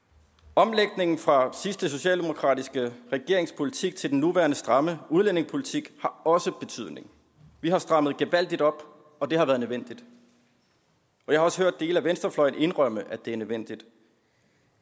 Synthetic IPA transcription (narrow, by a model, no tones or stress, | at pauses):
ɒ̽mleɡ̥ne̝ŋn̩fʁɑ̈sisd̥əso̝ɕɛ̰ːld̥e̝mo̝kʰʁɑ̰̈ːd̥isɡ̥əʁɛɡ̥e̝ɐ̰e̝ŋspʰo̝lit͡sʰiɡ̥̚t͡sʰe̝ld̥en̩ːuʋæɐnəsd̥ʁɑ̈məuð̞ˠlen̰e̝ŋspʰo̝lit͡sʰiɡ̥hɑ̈ɒ̽səb̥e̝t͡sʰyð̞̰ˠne̝ŋ | ʋiɦɑ̈sd̥ʁɑ̈m̰əðˠɡ̥eʋæl̰d̥id̥ɒ̽b̥ | ɒ̽d̥e̝hɑ̈ʋæːɐð̞ˠnəʋen̰d̥id̥ | ʔɒ̽jɑhɑ̈ɒ̽sə̥ɦøɐ̰d̥ːe̝ːlæʋensd̥ɐflɒ̽ɪn̩e̝nʁœm̰əʔæd̥e̝æɐnøʋen̰d̥id̥